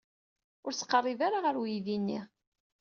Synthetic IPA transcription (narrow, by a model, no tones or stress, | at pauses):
ʊɾsə̥qːərˤːivaɾaʁəɾwjðinːḭ